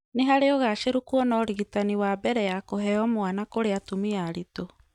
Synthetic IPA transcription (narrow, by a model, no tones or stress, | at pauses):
neɦaɾeɔɣaʃeɾukuɔnɔɾiɣitaniwabɛɾɛjakoɦɛɔmoanakoɾeatumiaɾito